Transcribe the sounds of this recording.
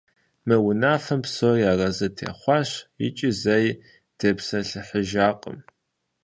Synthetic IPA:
mɨwʊnaːfɐmpsojaːrɐzɨtʰḛːχʷɑɕɪ̰t͡ʃʼɪzɐj | d̥ɐpsɐɬɨħəʒaːqʼə̰m

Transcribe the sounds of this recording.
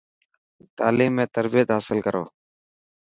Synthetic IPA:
t̪aːliːmːẽːt̪əɾbɪjət̪ɦaːsɪlkəɾo̰ː

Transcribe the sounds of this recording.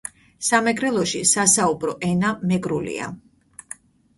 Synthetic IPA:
samɛɡɾɛlˠɔʃisasaubɾɔʔɛnamɛɡɾulḭa̰

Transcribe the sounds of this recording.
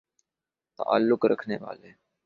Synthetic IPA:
t̪ə̰ʔə̰lːʊkɾəkʰneːʋa̰ːleː

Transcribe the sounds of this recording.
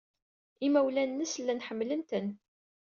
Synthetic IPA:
imæwlænːəslːænħəmːlənt̪ən

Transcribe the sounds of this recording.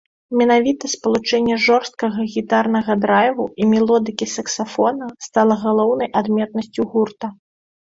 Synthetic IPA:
mʲɛnavʲit̪ɐspɐlˠut͡ʂɛnʲːɛʐɔrst̪̚kɐɣɐɣʲit̪arnɐɣɐd̪ɾajvuimʲɛlˠɔd̪ɨkʲisɐksafɔnɐst̪alˠɐɣalˠɔwnɐjʔad̪mʲɛt̪̚nɐsʲt͡sʲuɣurt̪ɐ

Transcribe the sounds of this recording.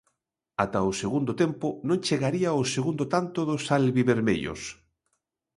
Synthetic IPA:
at̪aʊseɣund̪ot̪empʊnõŋt͡ʃeɣaɾiaoseɣund̪ot̪ant̪ʊðʊsalβiβeɾmḛʎo̰s

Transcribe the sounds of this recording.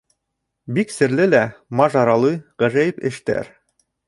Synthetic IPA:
biksɘ̆ɾlɘlæmɑʒɑɾɑlˠujʁɘ̆ʒæjɘpɘ̰̆ʃt̪æ̰ɾ

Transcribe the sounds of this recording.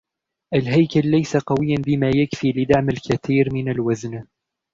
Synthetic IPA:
ʔalɦajkalːajsaqɑwɪjːanbɪmaːjakfiːlɪd̪aʕmalkaθiːɾmɪnalwazn

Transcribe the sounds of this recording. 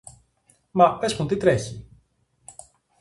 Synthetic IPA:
mɐpe̞smut̪it̪ɾeçi

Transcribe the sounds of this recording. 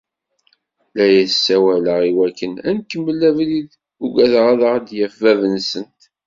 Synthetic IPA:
læjæsːæwæləʁiwækːənænkəmːəlːævlið | uɡæðʁaðəʁd̪jæfævənsənt̪

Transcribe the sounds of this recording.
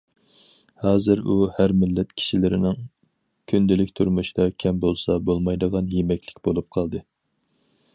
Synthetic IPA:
hɑːzɨɾuhæɾmɪlːɛt̪kʲʰi̥ʃilɪɾɪnɪŋ | kʲʰynd̪ɪlɪkʲt̪ʰuɾmuʃd̪ɑkʲʰɛmbolˠsɑbolˠmɑjd̪əʁɑnjemɛkʲlɪ̥kʲbolˠup̚qʰɑlˠd̪ɨ

